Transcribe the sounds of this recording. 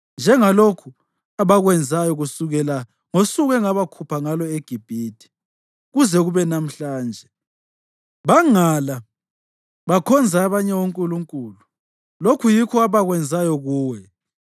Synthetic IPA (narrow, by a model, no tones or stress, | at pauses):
nd͡ʒʱɛŋalokʰu | aβaɣwɛnd͡zʱajɔɣusuɣɛla | ŋosuɣɛŋaβakʰupʰaŋalɔeɡ̥ʱib̥ʱiːtʰi̥ | ɣuzɛɣuβɛnam̩ɬaːnd͡ʒʱɛ | βaŋala | βakʰɔnd͡zʱaːβaɲɛwoŋkʼuluŋkʼuːlu | lokʰujikʰɔaβaɣwɛnd͡zʱajɔɣuːwɛ